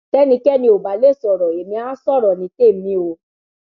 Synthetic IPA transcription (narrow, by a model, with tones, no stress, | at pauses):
tɛ˦nĩ˧kɛ˦˨nĩ˧o˨ba˨le˦˨sɔ˨ɾɔ˨e˨mĩ˧a˦sɔ˦˨ɾɔ˨nĩ˧˦ke˦˨mĩ˧˦o˧˨